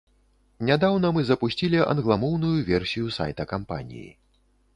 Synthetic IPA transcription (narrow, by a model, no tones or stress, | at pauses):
nʲad̪awnɐmɨzɐpusʲt͡sʲilʲiʔɐ̰nɣlˠamɔwnujuvʲɛrsʲijusa̰jt̪ɐkampa̰nʲḭjḭ